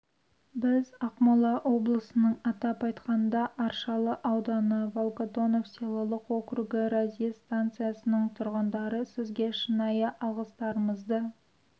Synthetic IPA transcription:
bɪzɑqmɑlˠɑʔwo̞blˠəsənəɴɑt̪ɑpɑjt̪qɑnənd̪ɑʔɑɾʃɑlˠəʔɑwd̪ɑnəvolˠkod̪o̞no̞fselˠɑlˠəqwo̞kruɡɪɾazij̪st̪ant̪sɨjasənəɴt̪ʰʊɾʁənd̪ɑɾəsɪzɡʲe̞ʃənɑjəʔɑlˠʁəst̪ɑɾəməzd̪ə

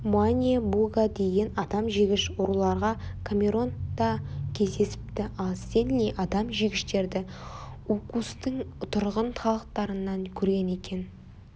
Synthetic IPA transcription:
manʲiebuɡad̪e̞ɡɪnɑd̪ɑmʒeɡʲɪʃʊɾulˠɑɾʁɑkʰamʲe̞ɾo̞nd̪̥ɑkʲʰe̞zd̪e̞sɪ̥p̚t̪ɪɑlˠse̞nnejʔɑd̪ɑmʒeɡʲɪʃt̪e̞ɾd̪ɪukust̪əŋt̪ʰʊɾʁənt̪ʰɑlˠəq̚t̪ɑɾənːɑŋkʲʰɵɾɡʲe̞ne̞kʲʰe̞n

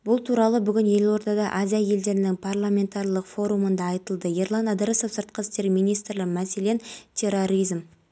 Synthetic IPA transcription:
bʊlˠt̪ʰuɾɑlˠəbʏɡʲɪnje̞lo̞ɾt̪ɑd̪ɑʔazijaje̞ld̪e̞ɾɪnɪŋpʰarlˠamʲe̞nt̪arlˠəqfo̞ɾumənd̪ɑːjt̪əlˠd̪əje̞rlˠanɑd̪ɾəso̞fsəɾt̪̚qəst̪e̞ɾmijnijst̪rlɪqmæse̞lent̪ʲʰe̞ro̞ɾijzm

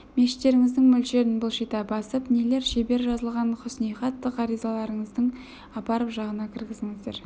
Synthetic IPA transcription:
meʃɪ̥t̪ːe̞ɾɪŋɪzd̪ɪŋmɵlʃe̞ɾɪnbʊlˠʃit̪ɑbɑsəpnele̞ɾʃebe̞ɾʒɑzəlˠʁɑnqʰʊsnijχɑt̪ːəqɑɾijzɑlˠɑɾəɴəzd̪əɴ | ɑpɑɾəpʒɑʁənɑkʲʰɪɾɡʲɪzɪŋɪzd̪e̞ɾ

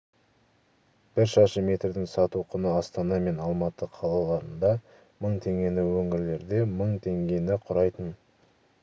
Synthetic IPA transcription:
b̥ɪɾʃɑʃəmʲe̞t̪ɾd̪ɪŋsɑt̪uqʰʊnəɑst̪ɑnɑme̞nɑlˠmɑt̪əqʰɑlˠɑlˠɑɾənd̪ɑ | məɴt̪ʰe̞ŋɡʲe̞nɪwɵŋɪɾle̞ɾd̪e̞məɴt̪ʰe̞ŋɡʲe̞nɪqʰʊɾɑjt̪ən

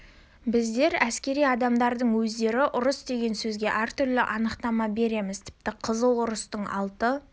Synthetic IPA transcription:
bɪzd̪e̞ɾæskʲe̞ɾijɑd̪ɑmd̪ɑɾd̪əɴwɵzd̪e̞ɾɪʔʊɾəsd̪e̞ɡʲe̞nsɵzɡʲe̞ʔæɾt̪ʰʏɾlɪʔɑnəqt̪ɑmɑbe̞ɾe̞mɪzt̪ʰɪ̥p̚t̪ɪqʰəzəlˠʊɾəst̪əɴɑ̰lˠt̪ə

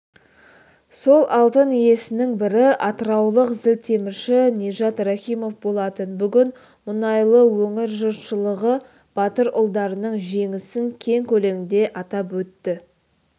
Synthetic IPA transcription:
so̞lˠʔɑlˠt̪ənije̞sɪnɪŋbɪɾɪɑt̪əɾɑwlˠəqzɪlt̪ʰe̞mɪɾʃɪnʲeʒɑt̪raχʲijmo̞fbo̞lˠɑt̪ənbʏɡʲɪn | mʊnɑjlˠəwɵŋɪɾʒʊɾʃəlˠəʁə | b̥ɑt̪əɾʊlˠd̪ɑɾənəɴʒe̞ŋɪsɪŋkʲʰe̞ŋkʲʰɵle̞ŋɪnd̪e̞ʔɑt̪ɑpwɵt̪ːɪ

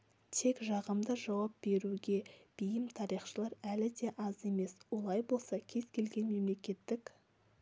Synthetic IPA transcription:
t̪ʰe̞kʒɑʁəmd̪əʒɑwɑp̚b̥e̞ɾuɡʲe̞b̥ijɪmt̪ʰɑɾijχʃəlˠɑɾælɪd̪e̞ʔɑze̞me̞swo̞lˠɑjbo̞lˠsɑkʲʰe̞zkʲʰe̞lɡʲe̞nme̞mle̞kʲe̞t̪ːɪk

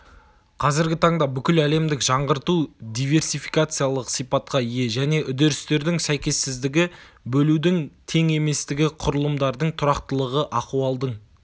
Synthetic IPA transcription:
qʰɑzɪɾɡʲɪt̪ʰɑɴd̪ɑbʏkʲɪlæle̞md̪ɪkʒ̥ɑɴʁəɾt̪ud̪ijve̞ɾsijfijkat̪sɨjalˠəqsijpɑt̪̚qɑije̞ʒæne̞ʔʏd̪eɾɪst̪e̞ɾd̪ɪŋsæjkʲe̞sːɪzd̪ɪɡʲɪ | bɵlud̪ɪŋt̪ʰe̞ŋe̞me̞st̪ɪɡʲɪqʰʊɾəlˠəmd̪ɑɾd̪əɴt̪ʰʊɾɑqt̪əlˠəʁəʔɑquɑlˠd̪əɴ

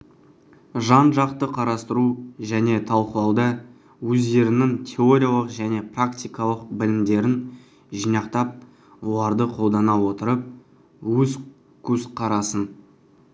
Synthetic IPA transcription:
ʒɑnʒɑqt̪əqʰɑɾɑst̪əɾuʒæne̞t̪ʰɑlˠqəlˠɑwd̪ɑ | wɵzd̪e̞ɾɪnɪŋt̪ʲʰe̞oɾʲijalˠəqʒæne̞prakt̪ʲijkɑlˠəq̚bɪlɪmd̪e̞ɾɪn | ʒijnɑqt̪ɑp̚ | wo̞lˠɑɾd̪əqʰo̞lˠd̪ɑnɑwo̞t̪əɾəp̚ | wɵz | kʲʰɵzqʰɑɾɑsən

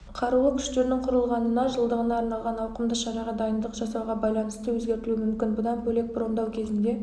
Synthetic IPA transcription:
qʰɑɾuwəkʲʰʏ̥ʃt̪e̞ɾɪnɪŋqʰʊɾəlˠʁɑnənɑʒəlˠd̪əʁənɑːɾnɑlˠʁɑnɑwqəmd̪əʃɑɾɑʁɑd̪ɑjənd̪əqʒ̥ɑsɑwʁɑbɑjlˠɑnəst̪əwɵzɡʲe̞ɾt̪ɪluɪmʏmkʲɪnbʊd̪ɑnbɵle̞k̚bɾond̪ɑwkʲʰe̞zɪnd̪e̞

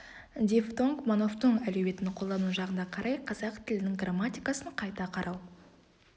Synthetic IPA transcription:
d̪ʲeft̪o̞ŋkmonoft̪əɴælewbe̞t̪ɪnqʰolˠd̪ɑnuʒɑʁənd̪ɑqʰɑɾʔɑjqʰɑzɑqt̪ʰɪlɪnɪŋɡramat̪ʲijkasəɴqʰɑjt̪ɑqʰɑɾʔɑw

